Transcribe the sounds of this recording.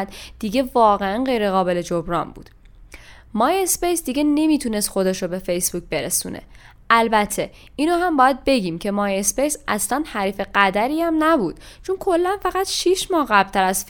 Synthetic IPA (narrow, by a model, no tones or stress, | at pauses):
d̪̥d̪̥iːɟe̞vɒːɣeænɢe̞jɾeɣɒːbe̞led͡ʒobɾɒːnbṵːd̪̥ | mɒːjespejsd̪iɟe̞ne̞miːt̪ʰuːne̞st̪xo̞d̪eʃobe̞fejsb̥uːc̚be̞ɾesṵːnʔḛ | ʔælbæt̪ʰe̞ | iːnoɦæmbɒːjæd̪̚be̞ɟiːmcʰe̞mɒːjespejsʔæslænhæɾiːfe̞ɢæd̪æɾiːæmnæbuːd̪̥t͡ʃʰonkʰo̞lːænfæɣæt̪ʃiːʃmɒːhɣæblt̪ʰæɾæzf